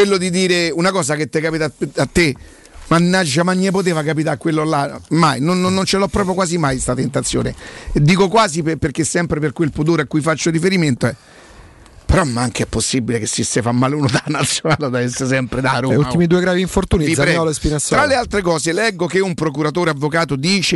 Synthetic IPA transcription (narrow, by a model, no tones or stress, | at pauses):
kwelːod̪id̪iːɾeunakɔːz̬aket̪ːekaːpit̪aat̪ːe | manːad͡ʒːamaɲːep̬ot̪̬eːvak̬apit̪akːwelːolamajnonːonːont͡ʃelɔpːɾɔːp̬ɾjokwaːzimajst̪at̪ent̪at̪sːjo̰ːnḛed̪ːiːkokwaːzipeperkesːɛmpɾeperkwelpud̪uːɾeakːujfat͡ʃːoɾifeɾiment̪oɛ | peɾɔmːaaŋkeɛpːosːibilekesːisːefamːaːleuːnod̪anat̪sːjonaːlod̪aesːes̬ɛmpɾed̪aɾoult̪imid̪ueɡɾaːviɱfoɾt̪uːniiɾɛalespinasɾalːealt̪ɾekɔːselɛɡːokeumpɾokuɾat̪oːɾeavːokaːt̪od̪iːt͡ʃe